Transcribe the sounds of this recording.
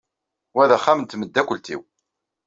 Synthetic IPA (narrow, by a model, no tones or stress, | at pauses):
wæðæχːamənt̪məd̪ːækʷəlt̪ḭw